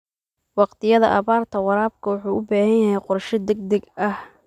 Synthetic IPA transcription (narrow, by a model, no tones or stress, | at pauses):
wɑqt̪ʰɪjɐðɐ̰ʔɐβaːrt̪ʰɐwɑɾaːb̚kʰɐwʊħuːʔʊbaːhɐjɐɦɛjqʊrʃɪd̪ɛɡ̚d̪ɐɡɐh